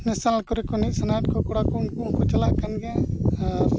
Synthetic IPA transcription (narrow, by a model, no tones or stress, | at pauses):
nɛsanalkɔɾikɔniʔ̚sanaʈ̚kɔkɔɽakɔunkɔnkɔt͡ʃalaʔkanɡɛjãaɾ